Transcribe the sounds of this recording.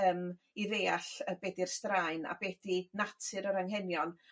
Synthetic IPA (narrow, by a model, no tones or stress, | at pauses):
əːm | iɾeːaɬəbɛːdirstrajna̰bɛːdinatʰɨɾəɾaŋhɛnjɔn